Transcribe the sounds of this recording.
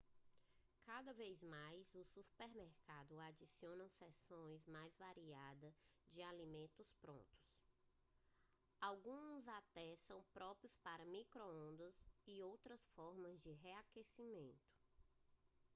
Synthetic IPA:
kad̪ɐvejzmajzʊsupeɾmɛɾkad̪ʊad͡ʒisiõnɐ̃w̃sɛsõj̃zmajzvaɾiad̪ɐd͡ʒɪalimẽnt̪ʊspɾõ̰nt̪ʊ̥s | awɡũzat̪ɛsɐ̃w̃pɾɔpɾiʊspaɾɐmikɾoõnd̪ɐzɪowt̪ɾɐsfɔɾmɐzd͡ʒɪɦeakesimẽnt̪ʊ̥

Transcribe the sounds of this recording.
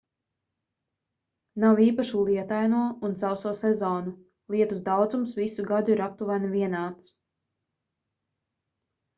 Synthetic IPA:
nawiːpaʃuːlˠiɛt̪ajnuɔunt̪sawsuːsɛzɔːnu | lˠiɛt̪usd̪awd̪zumsvisuɡad̪uiɾap̚t̪uvanvʲiɛnaːt̪s

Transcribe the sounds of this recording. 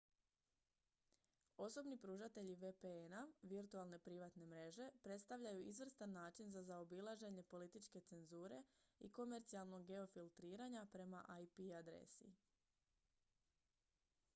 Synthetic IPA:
o̞so̞bnipɾuːʒat̪e̞ʎiʋepeenaʋiɾt̪ualˠne̞pɾiʋat̪ne̞mɾe̞ʒe̞pɾe̞t̪st̪aʋʎajuʔizʋr̩st̪anːaːt͡ʃinzazaobilˠaʒe̞ɲe̞po̞lit̪it͡ʃke̞t̪se̞nzuːɾe̞ḭko̞me̞ɾt̪sialˠno̞ɡːe̞o̞filˠt̪ɾiːɾaɲapɾe̞maʔajpiad̪ɾḛsḭ

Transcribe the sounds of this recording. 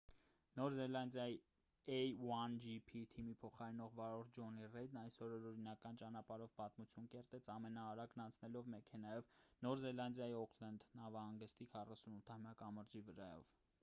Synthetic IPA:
nɔɾzɛlɑnd̪jɑji | ɛjwɑnd͡ʒipʰit̪ʰimipʰɔχɑɾɛnɔʁvɑɾɔɾd͡ʒɔnirɛd̪̚nɑjsɔɾɔɾɔɾinɑkɑnt͡ʃɑnɑpɑɾɔvpɑt̪mut͡sʰjunkɛɾt̪ɛt͡sʰɑmɛnɑːɾɑknɑnt͡sʰnɛlɔvmɛkʰɛnɑjɔvnɔɾzɛlɑnd̪jɑjiɔkʰlɑnd̪nɑvɑhɑŋɡəst̪ikʰɑrɑsunut̪ʰːɑmjɑkɑməɾd͡ʒivəɾɑ̰jɔ̰v

